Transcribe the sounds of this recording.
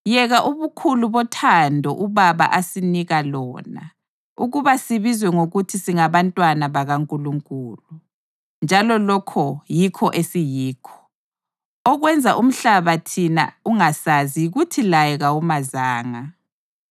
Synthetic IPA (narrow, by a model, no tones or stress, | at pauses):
jɛɣaʔuβukʰuluβɔtʰandʱɔ̰ʔuβaβa̰ʔasiniɣalɔ̰ːna̰ | uɣuβasiβizwɛŋoɣutʰisiŋaβantʼwanaβaɣaŋkʼuluŋkʼuːlu | nd͡ʒʱalɔlɔkʰɔjikʰɔʔesijiːkʰɔ̥ | ɔɣwɛnd͡zʱaʔum̩ɬaβatʰina̰uŋasazijiɣutʰilajɛɣawumazaːŋa